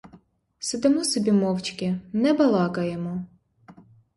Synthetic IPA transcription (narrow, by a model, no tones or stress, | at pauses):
sɨd̪ɛmɔsɔbʲimɔwt͡ʃkʲɪnɛbɐlˠɑkɐjɛmɔ